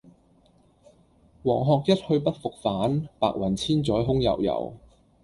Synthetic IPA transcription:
wɔː˨˩ŋɦɔː˨k̚jɐ˥t̚hɵ˧ɥpɐ˥t̚fʊ˨k̚faː˨˥npaː˧k̚wɐ˨˩nt͡sʰiː˥nt͡sɔː˨˥jɦʊ˥ŋjɐ̰˨˩wjɐ̰˨˩w

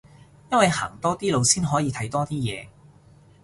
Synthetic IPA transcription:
jɐ˥nwɐ˨jha̰ː˨˩ŋt̪ɔː˥t̪iː˥lo˨˧wsiː˥nɦɔː˨˥jiː˨˧t̪ʰɐ˨˥jt̪ɔː˥t̪iː˥jɛ̰ː˨˧

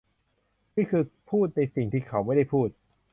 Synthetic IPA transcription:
niː˥˩kʰɯː˧pʰuː˥˩t̪̚na˧jsi˨˩ŋt̪ʰiː˥˩kʰa˦˥wma˥˩jda˥˩jpʰuː˥˩t̪̚

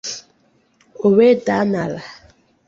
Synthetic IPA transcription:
o˨we˦ta˨˦na˨la˨

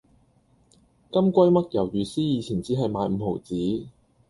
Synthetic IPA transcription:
kɐ˥mkʷɐ˥jmɐ˥t̚jɐ˨˩wjyː˨˩siː˥jiː˨˧t͡sʰiː˨˩nt͡siː˨˥ɦɐ˨jmaː˨˧jm̩˨˧ho˨˩wt͡siː˨˥

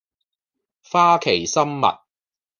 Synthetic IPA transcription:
faː˥kʰe˨˩jsɐ˥mːɐ̰˨t̚

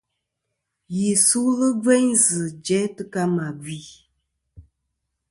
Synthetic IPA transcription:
ji˨su˦lɨ˦vɛ˦ɲzɨ˨d͡ʒɛ˨˦tɨ˦ka˦ma˨ɡwi˨˦

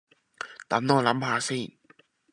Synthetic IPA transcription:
t̪a̰˨˦mnɔː˧˨la˨˦˥mpʰaː˧˦si˥˨n

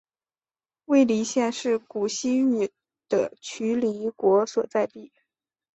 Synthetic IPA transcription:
we˥˩ɪli˧˥ɕjɛ˥˧nʂɻ̩˥˩ku˨˩ɕi˥y˨˩ | d̪̥ə˧t͡ɕʰy˧˥li˧˥kwɔ˧˥swɔ˨˩t͡sa˥˧ɪt̪i˥˩

